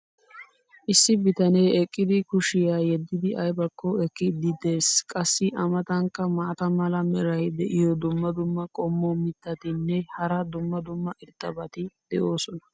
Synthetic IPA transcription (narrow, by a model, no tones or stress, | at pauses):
ʔɪsːɪbɪt̪ɐneːɛkʼːɪd̪ɪkʊʃɪjaːjɛd̪ːɪd̪ɪʔɐjbɐkːɔɛkːɪd̪ɪd̪e̞ːskʼɐsːɪʔɐmɐt̪ɐŋkːɐmaːt̪ɐmɐlɐmɛɾɐjd̪ɛʔɪjɔd̪ʊmːɐd̪ʊmːɐkʼɔmːomɪt̪ːɐt̪ɪnːɛhɐɾɐd̪ʊmːɐd̪ʊmːɐʔɪɾt̪ːɐbɐt̪ɪd̪̥ɛʔo̞ːsɔnɐ̥